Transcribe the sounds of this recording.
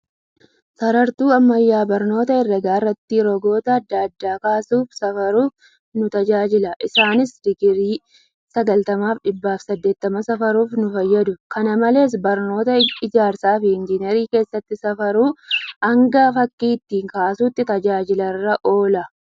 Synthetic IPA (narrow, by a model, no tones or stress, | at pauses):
sɐɾɐɾt̪uːɐmːɐjːaːbɐɾno̞ːt̪ɐɪrːɐɡaːrːɐt̪ːiːɾɔɡo̞ːt̪ɐːd̪ːaɐd̪ːaːkaːsuːfsɐfɐɾuːf | nʊt̪ɐd͡ʒaːd͡ʒɪlɐʔɪsaːnɪsd̪̥ɪɡɪɾiː | sɐɡɐlt̪ɐmaːfᶑɪbːaːfsɐd̪ːe̞ːt̪ːɐmɐsɐfɐɾuːfnʊfɐjːɐd̪ʊkɐnɐmɐle̞ːs̬bɐɾno̞ːt̪ɐɪd͡ʒaːɾsaːfɪɪnd͡ʒɪnɛɾiːke̞ːsːɐt̪ːɪsɐfɐɾuːɐŋɡɐfɐkːiːɪt̪ːiːŋkaːsuːt̪ːɪt̪ɐd͡ʒaːd͡ʒɪlɐrːɐʔo̞ːlɐ